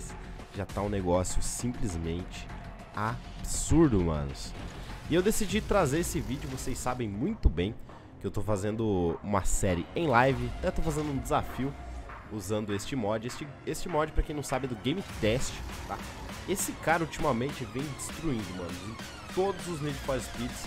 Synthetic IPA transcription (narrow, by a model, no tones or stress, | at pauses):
s | ʒat̪aũneɡɔsjʊsĩplizmẽnt͡ʃɪ̥ | absuɾd̪ʊmɐ̰̃nʊ̰sɪewd̪esid͡ʒit̪ɾazeɾesɪvid͡ʒʊvosejsabẽj̃mũj̃t̪ʊbẽj̃ | kɪewt̪ofazẽnd̪ʊũmɐsɛɾɪẽj̃lajvɪat̪ɛ̃t̪owfazẽnd̪ʊũd͡ʒɪzafiʊuzɐ̃nd̪ʊest͡ʃɪmɔd͡ʒɪest͡ʃɪ | est͡ʃɪmɔd͡ʒɪpɾɐkẽñw̃sabɪd̪ʊɡẽj̃mit̪ɛst͡ʃɪ̥t̪a̰ | esɪkaɾɐut͡ʃimɐmẽnt͡ʃɪvẽj̃d͡ʒɪst̪ɾuĩnd̪ʊmɐ̃nʊzĩ | t̪od̪ʊzʊzmid͡ʒɪfɔɾɪspid͡ʒs